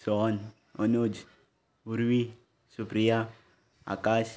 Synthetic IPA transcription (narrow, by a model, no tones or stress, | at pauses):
sɔn | ɔnod͡ʒ | uɾwi | supɾia | a̰kas